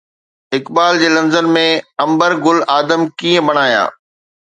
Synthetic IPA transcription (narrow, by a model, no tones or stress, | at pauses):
ɪkbaːld͡ʑeːlɐ̃nzənmẽɐ̃mbəɾɡʊlaːd̪əmkiːə̃bɐɽ̃aːja̰ː